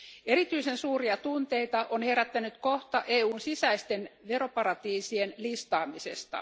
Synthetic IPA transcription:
e̞ɾit̪yisensuːriɑt̪unt̪eit̪ɑʔonheɾæt̪ːænyt̪ko̞ht̪ɑʔeːuːnsisæist̪e̞nʋeɾo̞pɑɾɑt̪iːsienlist̪ɑːmisḛst̪ɑ̰

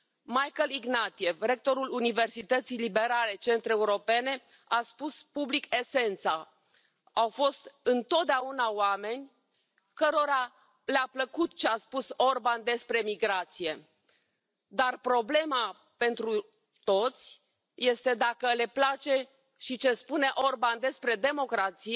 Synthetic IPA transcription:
majkəliɡnat̪ije̞vɾe̞k̚t̪o̞ɾulunive̞rsit̪ət̪sijlibe̞ɾale̞t͡ʃe̞nt̪ɾeuɾo̞pe̞ne̞ | aspuspublike̞se̞nt̪sa | awfo̞st̪ɨnt̪o̞t̪̚d̪eaunawame̞nʲ | kəɾo̞ɾa | leapləkut̪t͡ʃeaspuso̞rband̪e̞spɾe̞miɡɾat̪sije̞ | d̪arpɾo̞ble̞ma | pe̞nt̪ɾu | t̪o̞t̪sʲ | je̞st̪e̞d̪akəle̞plat͡ʃe̞ | ʃit͡ʃe̞spune̞ʔo̞rband̪e̞spɾe̞d̪e̞mo̞kɾat̪si

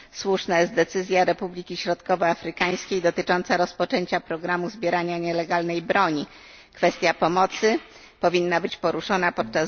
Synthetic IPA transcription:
swuʂnajɛst̪d̪ɛt̪sɘzʲjaɾɛpublʲikʲiɕɾɔt̪kɔvɛafɾɘkaj̃skʲejd̪ɔt̪ɘt͡ʂɔnt̪saɾɔspɔt͡ʂɛɲt͡ɕapɾɔɡɾamuzbʲjɛɾaɲaɲɛlɛɡalnɛjbɾɔɲi | kfɛst̪ʲjapɔmɔt̪sɘ | pɔvʲinːabɘt͡ɕpɔɾuʂɔnapɔt̪̚t͡ʂa

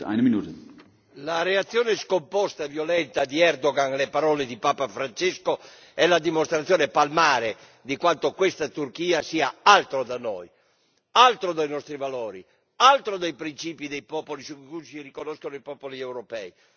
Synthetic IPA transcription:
a̰jneminuːt̪e | laɾeat̪sːjɔːneskompɔst̪avjolɛnt̪ad̪iɛrd̪oɡaŋlepaɾɔːled̪ipaːpafɾant͡ʃesko | ɛlad̪imost̪ɾat̪sːjɔːnepalmaːɾe | d̪ikwant̪okwest̪at̪urkiːasiːaalt̪ɾod̪anːo̰j | alt̪ɾod̪ajnɔst̪ɾivalɔːɾḭ | alt̪ɾod̪ajpɾint͡ʃiːpid̪ejpɔːpolisukkusirikonɔskonoipɔpoliɛwɾopɛ̰i

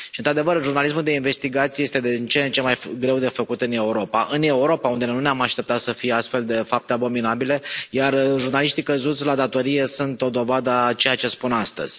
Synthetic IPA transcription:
ʃint̪ɾad̪e̞vərʒurnalis̬muld̪e̞inve̞st̪iɡat̪sije̞st̪ed̪et͡ʃent͡ʃemajɡɾe̞wd̪e̞fəkut̪ɨne̞uɾo̞paʔɨne̞uɾo̞paund̪e̞nuneamaʃt̪e̞p̚t̪at̪səfijeast̪fe̞ld̪e̞fap̚t̪eabo̞minabile̞jarʒurnaliʃt̪ikəzut̪sʲlad̪at̪o̞ɾije̞sunt̪o̞d̪o̞vad̪ət͡ʃe̞jat͡ʃespunast̪ə̰z̥ʲ

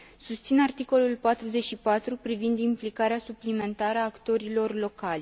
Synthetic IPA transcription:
sust̪sinart̪iko̞lulpat̪ɾuzet͡ʃʲʃipat̪ɾupɾivind̪implikaɾeasuplime̞nt̪aɾəaːkt̪o̞ɾilo̞rlo̞kalʲ

